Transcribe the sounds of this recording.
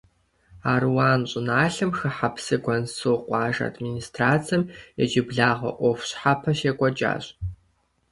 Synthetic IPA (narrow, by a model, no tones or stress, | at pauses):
aːrwaːnɕʼɪnaːɬɨmxɨħapʰsɨɡʷɐnsɨqʷʼɑːʒɐ̰dministʰraːt͡sʰɐmɛ̰d͡ʒɪbɮaːʁɐ̰ʔʷɔfɕħapʰɐʃeːkʷʼɔd͡ʒa̰ːɕʼ